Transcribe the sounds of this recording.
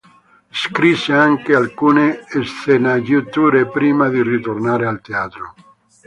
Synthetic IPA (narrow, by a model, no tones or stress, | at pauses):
eskɾiseaŋkealkuneːsθenaɡjut̪uɾepɾimaðirit̪ornaɾealt̪eat̪ɾo